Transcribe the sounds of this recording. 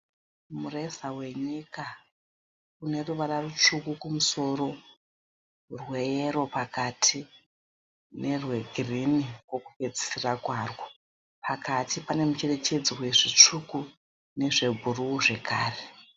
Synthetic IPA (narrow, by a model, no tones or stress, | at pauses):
mure̞sawe̞ɲika | une̞ruʋararut͡ʂukukumuso̞ro̞ | rweeɾo̞pakatʰi | ne̞rwe̞ɡʱirinikwo̞kupe̞d͡zi̥sirakwaːrwo | pʰakʰatipane̞mut͡ʃe̞re̞t͡ʃe̞d͡ziwe̞ʐit͡ʂuku | ne̞ʐe̞bʱuruuʐe̞kaːre